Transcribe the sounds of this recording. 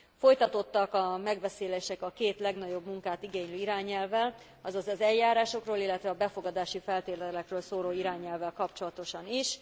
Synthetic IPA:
fo̞jt̪ɒt̪o̞t̪ːɒkɒmɛɡʋɛseːleːʃɛkɒkeːt̪lɛɡnɒɟo̞bmuŋkaːt̪iɡeːɲløːiɾaːɲɛlvɛl | ɒzɒzɒzɛljːaːɾaːʃo̞kroːlilːɛt̪ʋɛɒbɛfo̞ɡɒd̪aːʃifɛlt̪eːrlɛkrøːlsoːɾoːiɾaːɲɛlvɛlkɒpt͡ʃo̞lɒt̪o̞ʃɒniʃ

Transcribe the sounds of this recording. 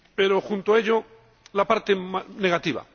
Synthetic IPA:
pe̞ɾo̞xunt̪oae̞ʎo̞ | lapaɾt̪e̞mane̞ɣat̪iβa̰

